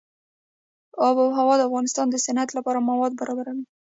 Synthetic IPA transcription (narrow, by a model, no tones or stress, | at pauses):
ɑbawɦawɑd̪əafɣɑnɪst̪ɑnd̪əsanat̪lapɑɾamawɑd̪̚baɾɑbaɾawi